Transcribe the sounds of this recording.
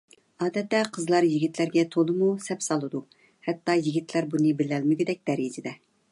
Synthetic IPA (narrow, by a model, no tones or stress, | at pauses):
ɑːd̪ɛt̪ːɛqʰəzlˠɑɾjiɡʲit̪ʰlæɾɡʲɛt̪ʰolˠɨmusɛpsɑlˠɨd̪u | hɛt̪ːɑjiɡʲit̪ʰlæɾbunɨbɪlɛlmɪɡʲid̪ɛk̚ʲd̪̥ɛɾid͡ʒɪd̪ɛ